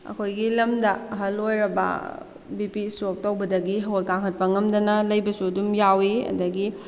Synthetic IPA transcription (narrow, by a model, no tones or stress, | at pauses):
ɐ̰kʰojɡilɐmdɐɦɐlojɾɐbɐ̰ | bipisok̚tɐwbɐdɐɡiɦɐolkaŋɦʰɐt̚pɐŋɐmdɐnɐlɐjbɐsuɐdumjawiɐ̰dɐɡi